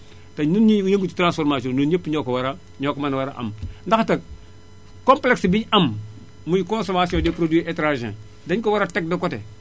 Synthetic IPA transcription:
tanunɲijẽŋɡuti̥tɾãnsfoɾmasiõnunɲepːɲokowaɾa | ɲokmanawaɾaʔa̰mndaxtɐk̚ | kompleksbiɲam | muɲkõnsomasijõdepɾodwiʔetɾaʒḛ̃ | daɲkowaɾatɛk̚dɐkote

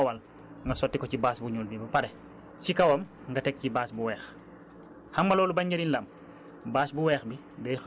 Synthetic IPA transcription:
wal | ŋɡɐsɔtːikɔcibaːsbuɲuːlbibɐpaɾɛ | cikɐwɔm | ŋɡɐtɛk̚cibaːsbuwɛːx | hammalɔːlubaɲɟɐɾinlɐm | baːsbuwɛːxbi | dɛ

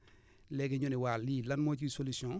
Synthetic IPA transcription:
lɛɡeɲoniwalilanmot͡ʃisolisjɔ̃

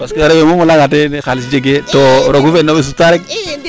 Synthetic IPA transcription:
paskeɾewemomolaŋat̬enexalisd͡ʒeɡetoɾokufenːobes̬utaɾek̚

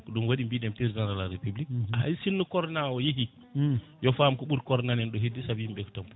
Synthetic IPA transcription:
kɔɗumwaɗimbiɗɛmpiɾzanɾalaɾepublikaa̰jsinːukɔɾnawɔjihi | jɔfamkɔɓuɾkɔɾnanɛnɗɔɦedːisabimbɛktɔmp

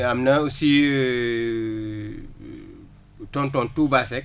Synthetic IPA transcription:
amnɐusi | tɔntɔntubasɛk̚

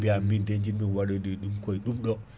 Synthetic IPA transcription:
biaminded͡ʒinmiwaɗoɗiɗumkoiɗumɗo

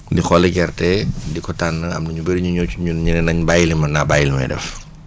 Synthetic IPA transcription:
dixɔlɛɡɛɾtɛdikɔtanːəɐ̰mnuɲubeɾiɲuɲɔt͡ʃuɲuɲinɛnɐɲbajilimɐnabajilmɛ̰jdɛ̰f

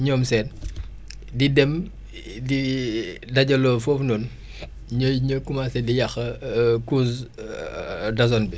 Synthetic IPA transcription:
ɲɔːmsɛn | didɛm | di | dɐɟɐlofɔfnon | ɲojɲəkumaːsɛdijɐxəkus | dɐzɔnbi

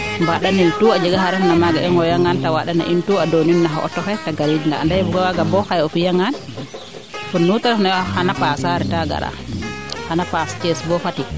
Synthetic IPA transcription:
mbaɗanintuad͡ʒɛɡaɦaɾɛfnamaɡaɛŋɡɔjaŋːantawaɗana̰ʔintuadoninːaɦa̰ʔɔ̰tːɔfɛtaɡaɾid͡ʒiŋɡa̰ːndabuɡawaɡambɔhajɔfijaŋːan | funːutaɾfnajhanapasaɾɛtaɡa̰ɾa̰ | hanapast͡ʃɛsbɔfati

